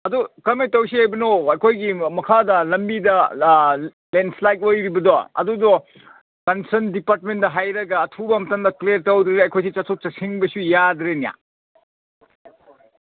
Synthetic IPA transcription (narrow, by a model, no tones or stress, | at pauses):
ɐdukɐmejtɐwsiajbɐnoɐjkʰojɡimɐkʰadɐlɐmbidɐ | lenslajk̚ojɾibɐdoɐ̰dudo | kɐnsɐndipaɾt̚mendɐɦajɾɐɡɐːtʰubɐmɐtɐŋdɐkleɾtɐwdɾeeɐjkʰojs̬it͡ʃɐsʰut̚t͡ʃɐsiŋbɐsujadɾenija̰